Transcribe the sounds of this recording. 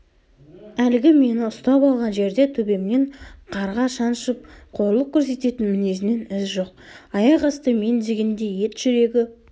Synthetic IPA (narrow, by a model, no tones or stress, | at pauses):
ælɪɡʲɪme̞nɪʊst̪ɑpɑlˠʁɑnʒe̞ɾd̪e̞t̪ʰɵbe̞mne̞ɴqʰɑɾʁɑʃɑnʃəp̚qʰo̞ɾlˠəq̚kʲʰɵɾse̞t̪e̞t̪ɪnmɪne̞sɪne̞nɪzʒo̞q̚ɑjɑʁɑst̪əme̞nd̪eɡʲend̪e̞je̞t̪ʒ̥ʏɾe̞ɡʲɪ